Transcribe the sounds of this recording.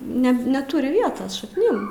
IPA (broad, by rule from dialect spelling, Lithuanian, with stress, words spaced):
ˈnʲɛ nʲɛˈtʊrʲɪ ˈʋʲiɛtoːs ʃɐkˈnʲɪm